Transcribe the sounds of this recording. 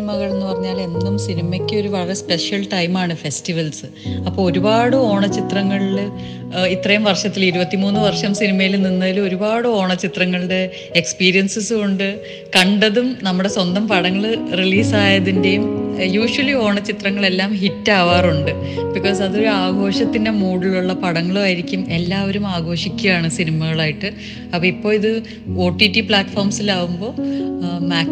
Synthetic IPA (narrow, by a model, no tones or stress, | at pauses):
mɐɣɐɭenːɨpɐrɐɲːaːle̞nːumsinimɐkʲːɨo̞ɾuʋɐɭɐɭɐspe̞ʂjɐlʈɐjmaːɳɨfe̞stiʋɐlsɨ | ɐpːoːɭoɾubaːɽɨo̞ːɳɐt͡ɕit̪rɐŋːɐɭil | it̪rɐjumʋɐrʂɐt̪ːiliɾubɐt̪ːimuːnːɨʋɐrʂɐmsinimɐjilninːɐilumo̞ɾubaːɽɨo̞ːɳɐt͡ɕːit̪rɐŋːɐɭɨɽe̞ː | kspiːɾijɐnsɨsɨkoɳɖɨ | kɐɳɖɐðumnɐmːuɽe̞swɐnd̪ɐmpɐɽɐŋːɐɭriliːsaːjɐðinde̞jumjuːʂuwɐlio̞ːɳɐt͡ɕit̪rɐŋːɐɭe̞lːaːmɦitːaːʋaːruɳɖɨ | bikːo̞ːs̬ɐðo̞ɾuaːɡo̞ːʂɐt̪ːinde̞muːɽuluɭːɐpɐɽɐŋːɐɭuaːjiɾikʲːume̞lːaːʋɐɾumaːɡo̞ːʂikʲːujaːɳɨsinimɐɣɐɭaːjiʈːɨ | ɐpːɐːipːo̞ːiðɨ | oːʈːitːipɭaːʈːfoːrmsilaːʋumbo̞ːmaː